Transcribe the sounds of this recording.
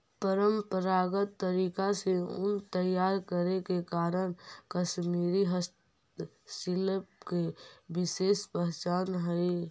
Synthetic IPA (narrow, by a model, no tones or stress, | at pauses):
pəɾəmpəɾaːɡət̪ːəɾiːkaseʊ̰nt̪əjaːɾkəɾekekaːɾəɽ̃kəʃmiːɾiɦəst̪ | sɪlpkebɪseːspəɦt͡ʃaːnɦəi